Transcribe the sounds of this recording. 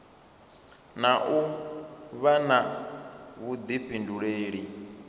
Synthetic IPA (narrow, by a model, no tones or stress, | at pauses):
naʔu | βana | βud̪iɸʰinduɺeːɺi